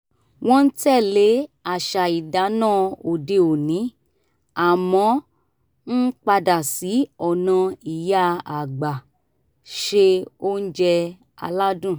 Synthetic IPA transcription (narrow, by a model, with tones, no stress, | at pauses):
w̃ɔ̃˦n̩˦tɛ˦˨le˨˦a˨ʃa˨i˨da˨˦nãː˦˨o˨de˧o˨nĩ˨˦ | a˨mɔ̃˨˦ | n̩˦k͡pa˧da˨si˨˦ɔ˨nã˧i˨ja˦a˨ɡ͡ba˨ | ʃe˧o˦n̩˦d͡ʒɛ˧ | a̰˧la˦dũ˦˨